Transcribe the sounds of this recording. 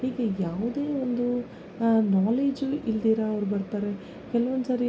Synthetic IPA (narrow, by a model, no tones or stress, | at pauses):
hiːɡe̞jaːʋud̪e̞ːond̪u | naːleːd͡ʒuild̪iːɾɐɐʋɾubɐɾt̪aːɾe̞ | kɛlɐʋond̪usaːɾi